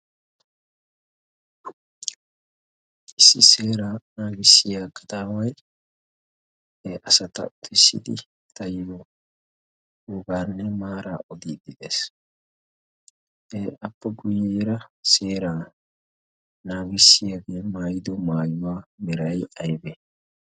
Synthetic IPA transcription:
ʔɪsːɪseːɾaːnaːɡɪsːɪjaːkːɐ̥t̪aːwɐj | eːʔɐsɐt̪ɐ̰ʔʊt̪ɪsːɪ̰d̪ɪ | t̪ɐjɔ | uɡaːnːɛmaːɾa̰ːʔɔd̪iːd̪ɪd̪es | ʔeːɐpːɐɡʊjːeːɾɐse̞ːɾaː | naːɡɪsːɪjɐɡeːmaːjɪd̪ɔmaːjʊwaːmɪɾɐjʔɐjbɛ

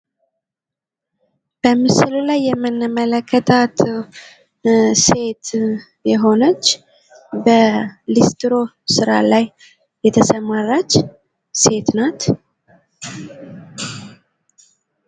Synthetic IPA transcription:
b̥əmɨsɨlulajːɛmːɨnːəmələkʰːət̪ʰat̪ | se̞t̪ | jɛɦo̞nət͡ʃː | bəlist̪ɾo̞ | sɨɾa̰lajː | ɛt̪ʰəsəmarːat͡ʃː | se̞t̪nat̪

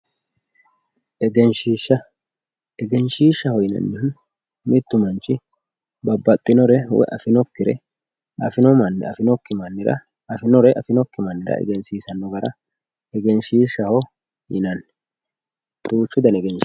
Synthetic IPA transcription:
ʔɛɡɛnʃiːʃːɐ | ɛɡɛnʃiːʃːɐhɔjɪnɐ̰nːɪhʊn | mɪt̪ːʊmɐnt͡ʃːɪ | bɐbːɐt̪ʼːɪnɔɾɛwɛ̰ʔɐ̰fɪnɔkːɪɾɛ | ɐfɪnɔɐnːɐ̰fɪnɔkːɪmɐnːɪɾɐ̰ | fɪnɔɾɛʔɐfɪnɔkːɪmɐnːɪɾɐ̰ʔɛ̰ɡɛnsiːsɐnːɔɡɐɾɐ | ɛɡɛnʃiːʃɐhɔ | jɪnɐnːɛ | t̪ʼuːt͡ʃːʊd̪ɐnɛɡɛnʃ

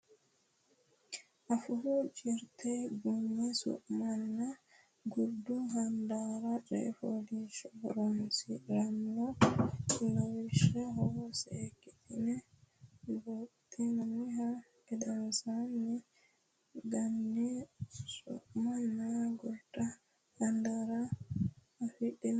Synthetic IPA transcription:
ʔafuhud͡ʒɛɾt̪ʰɛbunːɛsṵʔmanːa | ɡuɾduɦandaɾaɗɛ̰foliʃɔɾɔnsilamnɔ | lawiʃɛɦɔsɛkitinɛ | botːinamiɦa | ɛdansani | ɡandisṵʔmanːaɡuɾta | handaɾaː | fiɗin

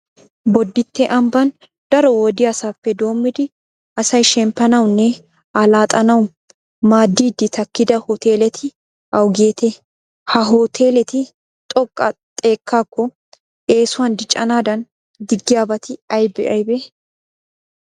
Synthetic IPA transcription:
bɔd̪ːɪt̪ːɛʔɐmbɐn | d̪̥ɐɾɔwɔd̪ɪjasaːfːɛd̪o̞ːmːɪd̪ɪ | ɐsɐjʃɛmpːɐnɐwnːɛ | ɐlaːt̪ʼɐnɐw | maːd̪ːiːd̪ɪt̪ɐkːɪd̪ɐhɔt̪e̞ːlɛt̪ʰɪ | ʔɐwɡeːt̪ɛ | hɐɦoːt̪ʰe̞ːlɛt̪ɪ | t̪ʼɔkʼːɐt̪ʼe̞ːkːaːkːɔ | e̞ːsʊwɐnd̪ɪt͡ʃʼːɐnaːd̪ɐn | d̪ɪɡːɪjaːbɐt̪ɪɐjbɛʔɐjbɛ

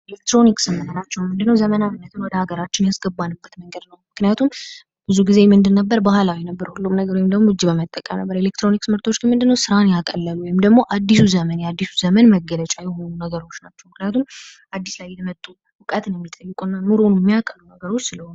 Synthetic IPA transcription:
ʔelek̚t̪ɾo̞niksɨmənənat͡ʃːɛwmɨnd̪ɨnːəwzəmənawnːət̪ʰɨnwɔd̪əhaɡəɾat͡ʃːɪnjasɡəbːanːɨbːət̪məŋɡəd̪nəwmɨknijat̪ʰum | b̥ɨzuɡize̞mɨnd̪ɨnːəbːəɾbahlawinəbːəɾhulːumnəɡəɾwjɪmd̪əɡmoɨd͡ʒːibəmət̪ʼːəkʼə̰mnə̰bːəɾelekt̪ɾo̞niksɨmɨɾt̪ʰo̞t͡ʃːɡɨnmɨnd̪ɨnːəwsɨɾanjakʼəlːəluwɔjɪmd̪əɡmo̞ʔad̪ːisuzəmənjɛad̪ːisuzəmənməɡːələt͡ʃʼajɛho̞nunəɡəɾo̞t͡ʃːnat͡ʃːɛwmɨknijat̪ʰum | ʔad̪ːislajːɛmət̪ʼːu | wɨkʼət̪ɨnjɛmːit̪ʼəjːɪkʼunːanuɾonɛmːijakʼːəlunəɡəɾo̞t͡ʃːsɨləhon

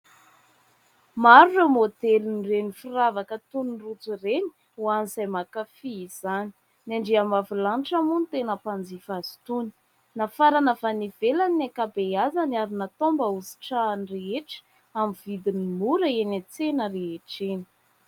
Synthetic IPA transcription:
maɾuremod̪elinirenifiɾavakət̪unrut͡sureni̥ | uanizajmakafiiz̥ani̥ | naɳɖ͡ʐiamavilanʈ͡ʂamunit̪enəpand͡zifazi̥t̪uni̥ | nafaɾanəfaniv̥elanːakabeazaniaɾunat̪ombəuzi̥ʈ͡ʂanreeʈ͡ʂə̥ | amvid̪inimuɾəenat͡senəreɦeʈ͡ʂeni̥

